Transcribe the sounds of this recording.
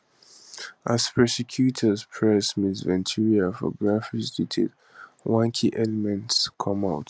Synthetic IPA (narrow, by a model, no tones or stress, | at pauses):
az̥pʰɹɛsɛkʰjutʰəzpʰɹɛsmĩsvɛ̃ntʰiɹiafɔ̰ɡɹafisditʰḛd | wãŋkʰiʔɛlɛmɛ̃ntskʰʌ̃maʊt